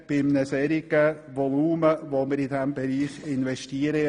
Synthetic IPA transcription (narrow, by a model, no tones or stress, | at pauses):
b̥ɪmnəsɛɾiɡə | ʋɔluːməʋoməɾidɛmbɛɾiːχɪnvɛʃtiəɾə